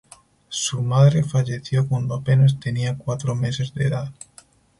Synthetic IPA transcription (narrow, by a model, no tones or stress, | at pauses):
sumaðɾefaʎe̞θjokwand̪oapenes̬t̪e̞niakwat̪ɾome̞se̞zðeðað